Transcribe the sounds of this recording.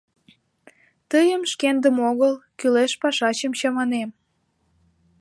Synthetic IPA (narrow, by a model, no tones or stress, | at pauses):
t̪əjəmʃkend̪əmoɣəlkyleʃpɑʃɑt͡ɕəmt͡ɕɑmɑnem